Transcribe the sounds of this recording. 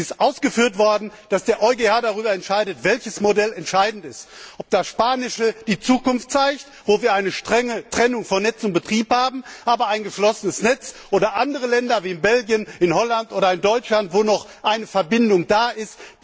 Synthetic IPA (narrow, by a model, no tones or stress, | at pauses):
ɪstʔaʊsɡ̥əfyːɐtv̥ɔɐdn̩d̥asd̥eːɐʔɔʏɡeːhaːdaʁ̞yːbɐɛntʃaɪdətv̥ɛlçəsmodɛlɛntʃaɪdn̩tɪstʔɔp̚d̥asʃpaːnɪʃəd̥iːt͡suːkʊnftt͡saɪçtv̥oːviːɐʔaɪnəʃtʁ̥ɛŋətʁ̥ɛnʊŋfɔnɛt͡sʊntb̥ətʁ̥iːphaːbm̩ʔaːbɐaɪnɡəʃlɔsənəsnɛt͡sʔoːɾɐʔandəʁ̞əlɛndɐviːɪnbɛlɡjənɪnhɔlantʔoːɾɐɪndɔʏt͡ʃlantv̥oːnɔχʔaɪnəfɛɐbɪndʊŋdaːʔɪst